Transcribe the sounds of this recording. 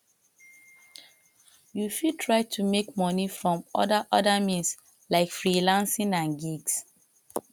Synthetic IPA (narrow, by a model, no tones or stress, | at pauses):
jufitʰɹaɪtʰumekmɔnifɹɔ̃mɔ̰daʔɔdamĩns | laɪkfɹilãnsĩnãnɡiɡs